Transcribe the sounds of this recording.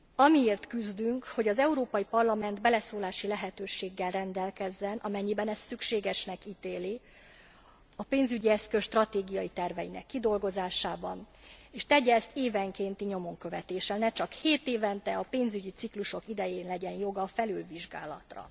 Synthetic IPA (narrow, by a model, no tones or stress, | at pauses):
ɒmieːrt̪kyzd̪yŋkho̞ɟɒzɛuɾoːpɒjipɒrlɒmɛnd̪bɛlɛsoːlaːʃilɛɦɛt̪øːʃeːɡːɛlrɛnd̪ɛlkɛzːɛnʔɒmɛɲːibɛnɛst̪sykʃeːɡɛʃnɛkiːt̪eːli | ɒpeːnzyɟiɛskøʃt̪rɒt̪eːɡijɒjit̪ɛrvɛjinɛ̰kːid̪o̞lɡo̞zaːʃaːbɒ̰n | eːʃt̪ɛɟːɛːst̪eːvɛŋkeːnt̪iɲo̞mo̞ŋkø̞vɛt̪eːʃɛlnɛt͡ʃɒkheːt̪eːvɛnt̪ɛɒpeːnzyɟit̪sikluʃo̞kid̪ɛjeːnlɛɟɛnjo̞ɡɒfɛlylviʒɡa̰ːlɒ̰t̪rɒ̰